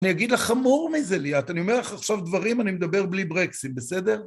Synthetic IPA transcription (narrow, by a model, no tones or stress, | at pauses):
nijaɡid̪laχamuʁmizeliat̪anio̞me̞ʁlaχaχʃavd̪vaʁimanimed̪abe̞ʁblibʁeksit̪̚besed̪e̞ʁ